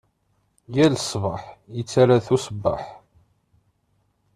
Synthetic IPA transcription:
jælsˤvəħjət͡sːaɾaθusəbːə̰ħ

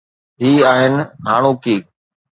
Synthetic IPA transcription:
ɦiːaːɦɪnɪ̆ɦa̰ːɳ̃uːkiː

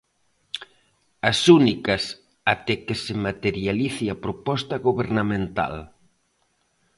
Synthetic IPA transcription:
ɐsunikɐs | at̪ɛkɪsɪmat̪eɾjaliθiapɾopɔst̪ɐɣoβeɾnamẽnt̪a̰l

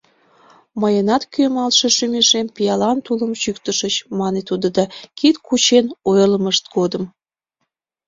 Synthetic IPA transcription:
məjənɑt̪kymɑlʃeʃymeʃempijɑlɑnt̪uləmɕykt̪əʃət͡ɕmɑnet̪ud̪əd̪ɑkit̪kut͡ɕenojələməʃt̪ɡod̪əm

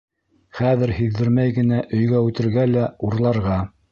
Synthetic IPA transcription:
χæðɘɾhiðːɘ̆ɾmæjɡɘ̆næʔɵ̆jɡæʉt̪ɘ̆ɾɡælæuɾlˠɑɾʁɑ

